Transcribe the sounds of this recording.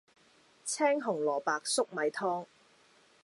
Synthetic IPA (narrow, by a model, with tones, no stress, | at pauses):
t͡sʰɛː˥ŋɦʊ˨˩ŋlɔː˨˩paː˨˧k̚sʊ˥k̚mɐ˨˧jt̪ʰɔː˥ŋ